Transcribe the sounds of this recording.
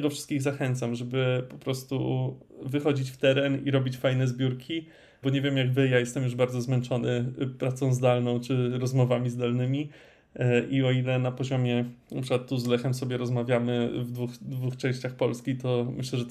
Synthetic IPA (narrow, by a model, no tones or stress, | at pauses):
ɡ̪ɔfʂɘst̪kʲiɣzaxɛnt̪samʐɛbɘpɔpɾɔst̪ṵ | vɘxɔd͡ʑit͡ɕft̪ɛɾɛniɾɔbʲit͡ɕfajnɛzbʲjuɾkʲʰi | bɔɲevʲjɛmjaɡvɘjajɛst̪ɛmjuʐbaɾd̪zɔzmɛnt͡ʂɔnɘpɾat̪sɔ̃w̃zd̪alnɔ̃w̃t͡ʂɘɾɔzmɔvamʲizd̪alnɘmʲi | ʔiɔilɛnapɔʑɔmʲjɛnapʂɘkwat̪ːuzlɛxɛmsɔbʲjɛɾɔzmavʲjamɘvd̪vuxd̪vuxt͡ʂɛ̃w̃ɕt͡ɕaxpɔlskʲit̪ɔmɘɕlɛʐɛ